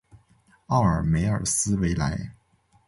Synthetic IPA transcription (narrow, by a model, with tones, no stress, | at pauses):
ɑ˥˩ʊə˞˨˩me˧˥ɪə˞˨˩sɹ̩˥we˧˥ɪla˧˥ɪ